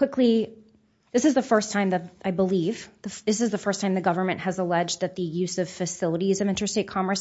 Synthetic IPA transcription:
kw̥ɪkli | ðɪsɨzðəfɜ˞stʰãɪ̃mðɨɾaɪbəliv̥ðəðɪsɨzðəfɜ˞stʰãɪ̃mðɨɡʌvə˞mɨ̃nʔhɨzəlɛd͡ʒðɨt̪̚ðɨjʉzʌv̥fɨsɪlˠəɾizʌvɪ̃ntɨ˞steɪt̚kʰɑ̃mə˞s

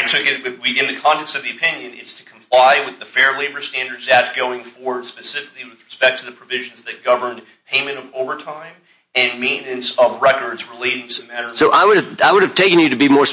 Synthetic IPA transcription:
ɪtʰʊkɨt̚wɨwiɪ̃nðɨkʰɑ̃ntʰɛksʌvðiɨpʰɪ̃njɨ̃nɪ̰tstʰɨ̥kʰm̩pʰl̥aɪwɨðɨfɛɹleɪbə˞stæ̃ndə˞dzæt̚ɡ̥oʊɪ̃ŋfɔɹwə˞d̥spɨsɪfɨkliwɨðɹɨspɛk̚tʰɨðɨpʰɹ̥ɨvɪʒn̩zðɨt̚ɡ̥ʌvə̃˞n | pʰẽɪ̃mɨ̃ɾ̃ʌvoʊvə˞tʰãɪ̃m | ɨ̃nmẽɪ̃ʔnɨ̃nsʌvɹɛkə˞dzɹɨleɪɾɪ̃ŋtʰɨðɨmæɾə˞soʊʔaɪwʊɾɨvaɪwʊɾɨv̥tʰeɪkɨ̃n̩jɨɾɨbimɔɹs

